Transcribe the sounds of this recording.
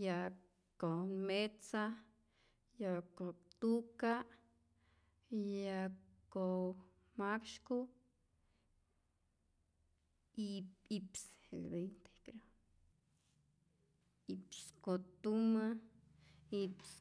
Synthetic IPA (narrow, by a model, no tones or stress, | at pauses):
ja | komet͡sa | jakot̪uka | jako | makʃku | ipipselbent̪e̥kɾo | ipskot̪uma | ips